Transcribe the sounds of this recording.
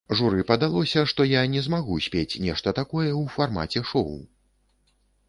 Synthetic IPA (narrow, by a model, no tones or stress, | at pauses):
ʐuɾɨpɐd̪alˠɔsʲɐʂt̪ɔjanʲɛzmaɣusʲpʲet͡sʲnʲɛʂt̪ɐt̪akɔjɛwfarma̰t͡sʲɛʂɔw